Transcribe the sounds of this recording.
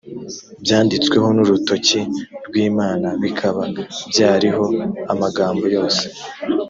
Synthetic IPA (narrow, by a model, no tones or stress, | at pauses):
bjaːndit͡skwe̞ɦo̞nuɾuto̞ciɾɡwiːmaːnaβikʰaβabjaːɾiɦo̞amaɡaːmbo̞jo̞ːse̥